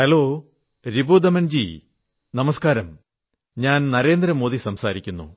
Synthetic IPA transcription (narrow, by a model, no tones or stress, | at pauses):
ɐloː | ɾibud̪ɐmɐnd͡ʑḭ | nɐmɐskaːɾɐm | ɲaːnnɐɾe̞ːnd̪ɾɐmo̞ːðisɐmsaːɾikʲːunːṵ